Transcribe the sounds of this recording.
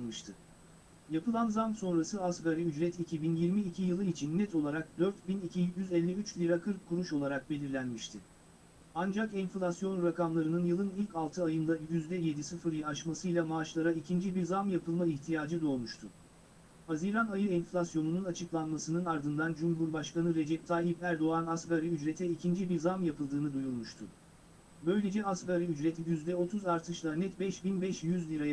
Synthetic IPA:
mɯʃt̪ʰɯ | japʰɯlˠanzamso̞nɾasɯasɡaɾiyd͡ʒɾɛt̪ʰicʰibinjiɾmiːcʰijɯlˠɯit͡ʃʰinːɛt̪ʰo̞lˠaɾak̚d̪øɾt̪binicʰijyzɛlʲːɛyt͡ʃlʲiɾakʰɯɾkʰːuɾuʃo̞lˠaɾak̚be̞lʲiɾlʲænmiʃt̪ʰɪ | and͡ʒakɛnflʲasjo̞nɾakamlˠaɾɯnɯnjɯlˠɯnilʲcalˠt̪ʰɯajɯnd̪ajyzd̪ɛje̞d̪isɯfɯɾjaaʃmasɯjlʲˠamaːʃlˠaɾaicʰind͡ʒibiɾzamjapʰɯlˠmaiçt̪ʰijaːd͡ʒɯd̪o̞ːlmuʃt̪ʰʊ | haziɾanajɯɛnflʲasjo̞nununat͡ʃʰɯklˠanmasɯnɯnaɾd̪ɯnd̪and͡ʒumɦuɾbaʃkanɯɾe̞d͡ʒɛp̚t̪ʰaːɦipæɾd̪o̞anaskaɾɯyd͡ʒɾet̪ʰɛicʰind͡ʒibiɾzamjapʰɯlˠd̪ɯːnɯd̪ujunmuʃt̪ʰʊ̰ | bø̞jlʲe̞d͡ʒɛaskaɾɯyd͡ʒɾɛt̪ʰjyzd̪ɛo̞t̪ʰuzaɾt̪ʰɯʃlˠanɛt̪bɛʃbinbɛʃjyzlʲiɾa

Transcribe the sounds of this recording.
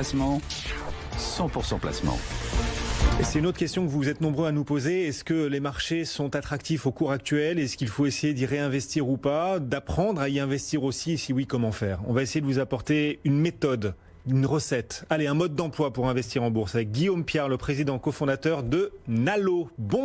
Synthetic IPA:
smɑ̃ | sɑ̃puʁsɑ̃pla̰smɑ̰̃ | esɛt̪ynot̪χə̥kʲɛst̪jɔ̃kəvuzɛt̪nɔ̃bʁøanupozeɛskəlemaʁʃesɔ̃t̪at̪χak̚t̪ifokuʁak̚t̪ɥɛlɛskʲilfoesejed̪iʁeɛ̃vɛst̪iʁupad̪apχɑ̃d̪ʁaiɛ̃vɛst̪iʁosisiwikɔmɑ̃fɛːʁɔ̰̃vaesejedəvuzapɔʁt̪eynmet̪ɔd̪ | ynʁəsɛt̪aleɛ̃mɔd̪̚ːɑ̃plwapuʁɛ̃vɛst̪iʁɑ̃buʁsavɛk̚ɡʲijompjɛʁləpχezid̪ɑ̃kɔfɔ̃d̪at̪œʁd̪ənalobɔ̃

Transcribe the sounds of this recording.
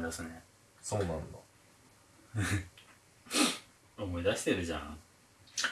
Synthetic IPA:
d̪asɨne | so̞ːnãnd̪a | omo̞id̪aɕi̥t̪e̞ɾɯ̟ʑã̰

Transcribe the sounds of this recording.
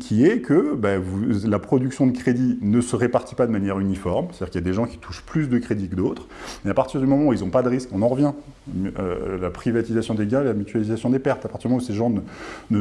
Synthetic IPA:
kʲʰiɛkʰəbavulapχɔd̪yksjɔ̃d̪əkχed̪inəsəʁepaʁt̪i̥pad̪əmanjɛʁynifɔʁmse̥t̪iʁkiljad̪eʒɑ̃kʲi̥t̪ʰuʃplys̬d̪əkχed̪ikəd̪ot̪χ | meapaʁt̪iʁd̪ymɔmɑ̃uilzɔ̃pad̪əʁiskɔ̃nɑ̃ʁəvjɛ̃ | mø̰lapχivat̪izasjɔ̃d̪eɡɛ̃elamyt̪ɥalizasjɔ̃d̪epɛʁt̪apaʁt̪iʁd̪ym̃useʒɑ̃nənə

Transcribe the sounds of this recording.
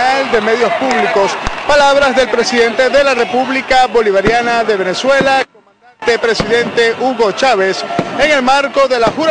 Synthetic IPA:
ald̪e̞me̞ðjospuβliko̞spalaβɾazðe̞lpɾe̞siðe̞nt̪eðe̞lare̞puβlikaβo̞liβaɾjanaðe̞β̞ene̞swe̞la | at̪epɾe̞siðe̞nt̪e̞ʔuɣo̞t͡ʃaβe̞seŋe̞lmaɾko̞ðe̞laxuɾ

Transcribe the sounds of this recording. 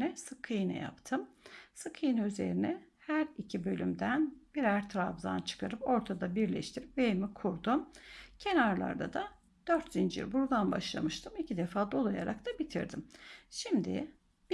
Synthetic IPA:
nɛsɯkʰɯjɯna̰ja̰pt̪ʰɯmsɯkʰɯjɯnyze̞̰ɾinɛhæɾicʰibø̞lʲymd̪ænbiɾæɾt̪ʰɾavza̰nt͡ʃʰɯ̥kʰaɾɯpo̞ɾt̪ʰad̪abiɾlʲɛ̰ʃt̪ʰiɾipvejmikʰuɾd̪umcʰe̞naɾlˠa̰ɾd̪a̰d̪a | d̪̥øɾt̪zind͡ʒḭɾbuɾd̪ˠanba̰ʃlˠa̰mɯʃt̪ʰɯmicʰid̪efaːd̪o̞lˠaja̰ɾak̚t̪ʰabit̪ʰḭɾd̪imʃimd̪ɪ̰ | b

